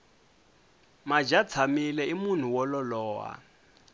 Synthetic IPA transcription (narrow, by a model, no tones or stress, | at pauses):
mad͡ʒat͡sʰamilɛimun̤uwɔlɔlɔːa̰